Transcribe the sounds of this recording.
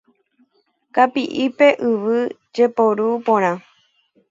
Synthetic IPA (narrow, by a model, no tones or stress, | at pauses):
kapiʔipe̞ʔɨʋɨ | d͡ʒe̞poɾupõɾ̃ã